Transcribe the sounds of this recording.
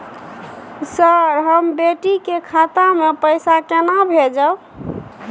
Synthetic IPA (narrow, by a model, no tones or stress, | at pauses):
səɾɦəmbeʈikekʰat̪amepəjsakenabʱed͡ʒəb